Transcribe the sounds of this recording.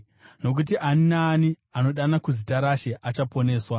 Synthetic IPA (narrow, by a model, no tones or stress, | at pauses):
no̞k̬utiʔaninaːni | ano̞ɗanakuzitaɾaʃe̞ʔat͡ʃapo̞ne̞ːswa